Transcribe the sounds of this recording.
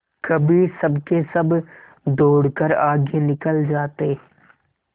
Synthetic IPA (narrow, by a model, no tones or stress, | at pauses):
kɐbʱisɐbkesɐb | d̪oːɽkəɾaːɡjenɪkəld͡ʒaːt̪e